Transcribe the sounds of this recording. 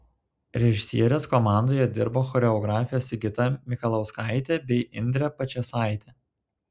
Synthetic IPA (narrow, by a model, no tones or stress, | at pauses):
ɾʲɛʒʲɪsʲiɛɾʲeskɔmɑˑnd̪oːjɛd̪ʲɪɾboːxɔːɾʲɛɔɡɾɑːfʲɪjoːsɪɡʲɪt̪ɐmʲɪkɐlˠɐʊskɑˑɪt̪ʲɛbʲɛɪʔɪnʲd̪ʲɾʲɛpɐt͡ʃʲɛsɑˑɪt̪ʲɛ